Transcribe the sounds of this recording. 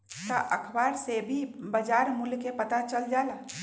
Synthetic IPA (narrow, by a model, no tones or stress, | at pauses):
t̪aʔəkʰbaːɾsebʱibəd͡ʒaːɾmulkepət̪at͡ʃəld͡ʒaːla